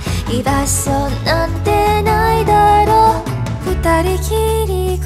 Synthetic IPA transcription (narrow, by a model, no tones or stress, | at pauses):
idasʌnant̪enaid̪aɾo | kɯt̪aɾikʰiɾik